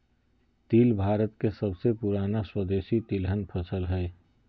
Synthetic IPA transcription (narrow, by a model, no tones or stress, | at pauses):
t̪iːlbʱaːɾət̪kesəbsepuɾanaswəd̪esit̪ilɦənpʰəsəlɦɛɪ